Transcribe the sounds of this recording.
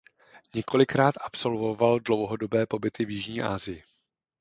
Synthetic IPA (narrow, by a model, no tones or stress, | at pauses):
ɲɛko̞lɪkɾaːt̪ʔapso̞lvo̞valdlo̞wɦo̞do̞bɛːpo̞bɪt̪ɪvjɪʒɲiːʔa̰ːzɪjɪ